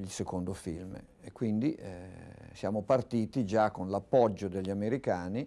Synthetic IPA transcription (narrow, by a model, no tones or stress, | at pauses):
ilsekond̪ofilm | ekːwind̪iɛsjaːmopart̪iːt̪id͡ʒakːonlapːɔd͡ʒːod̪eʎːameɾikaːni